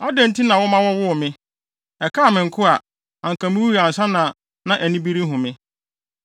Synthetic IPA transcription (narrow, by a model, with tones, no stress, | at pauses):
a˦dɛ̃˨n̩˦tʰi˦nã˨wʊ˦mã˦wɔ˦wʊ˦˨mɪ̃˦ | ɛ˨kʰaː˦˨mɪ̃˨ŋ̩˨kʰʊ˦a˨ | ã˨ŋ̩˨kʰã˨mĩ˦wu˦ɾa˨n̩˨sa˦nã˨ | nã˦ʔæ˨nĩ˦bi˦ɾi˦ɦʊ̃˨mɪ̃˦